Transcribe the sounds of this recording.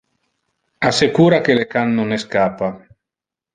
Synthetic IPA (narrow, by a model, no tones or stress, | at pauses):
asekuːɾakelekanːoneskaːpa